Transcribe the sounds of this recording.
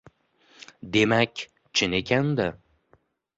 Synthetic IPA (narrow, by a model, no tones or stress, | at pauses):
d̪e̞makʲ | t͡ʃʰɪne̞kʲʰand̪ɪ